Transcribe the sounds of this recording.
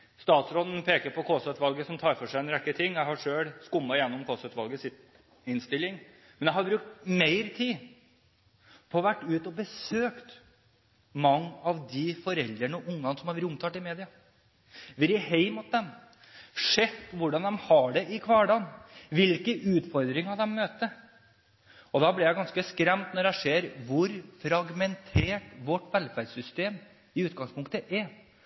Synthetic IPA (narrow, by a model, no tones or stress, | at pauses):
st̪ɑːt̪sɾoːd̪n̩pʰeːkəɾpʰɔkʰoːsœt̪ʋɑlɡəsɔmt̪ʰɑːɾfɔʂæɪɛnɾɛkːət̪ʰɪŋːjæɪhɑʂøːlskʊmːɑjɛnːɔmkʰɔsœt̪ʋɑlɡəsɪt̪ | ɪnst̪ɪlːɪŋ | mɛnjæɪhɑɾbɾʉk̚t̪meɪɾət̪ʰiː | pʰɔʋæʈːʉːt̪ɔbəsøːkt̪ | mɑŋːɑʋd̪ɪfɔɾɛld̪ɾəɳɔʔʊŋːɑnəsɔmhɑɾʋɾʊmt̪ʰɑːt̪ːɪmeːd̪ɪɑ | ʋɪɾɪheɪmʊt̪̚d̪ɛm | ʂɛt̪ːʋʊɖɑnd̪ɛmhɑɖɛʔɪkʰʋɑːɖɑːnʋɪlkəʔʉːt̪fɔɾd̪ɾɪŋhɑd̪ɛmːøːt̪ə | ɔd̪ɑblɪɾjæɪɡɑnskəskɾɛmt̪nɔɖæɪʂeːɾʋʊɾfɾɑɡmɛnt̪ʰeːʈʋɔʈʋɛlfæɖsʏst̪eːm | ɪʉːt̪̚ɡɑŋspʰʊŋkt̪əʔɛ